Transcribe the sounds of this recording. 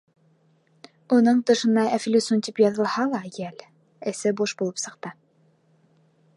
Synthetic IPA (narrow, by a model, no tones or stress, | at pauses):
unɤɴt̪ɤ̆ʃɤ̆nɑæflʲisunt̪ipjɑðɤ̆lˠhɑlˠɑjæl | ɘ̆sɘbuʃbulˠɤpsɤ̆q̚t̪ɤ